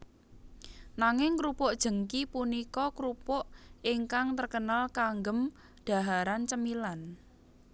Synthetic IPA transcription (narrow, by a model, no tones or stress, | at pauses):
naŋɪŋkɾupʊʔd̥ʒ̥ə̤ŋkipunikɔkɾupʊʔɪŋkaŋt̪ərkənalkaŋɡəm | d̪̥a̤ɦaɾant͡ʃəmilan